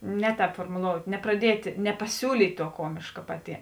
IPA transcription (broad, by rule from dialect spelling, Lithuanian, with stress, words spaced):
ˈnʲɛ ˌtʲɛːp foːrmʊˈlˠoːʊtʲ nʲɛprɐˈdʲiɛtʲ nʲɛpɐˈsʲuːlʲiːtʲ ˈtuɔ ˈkuɔmʲeːʃkɐ pɐˈtʲɪ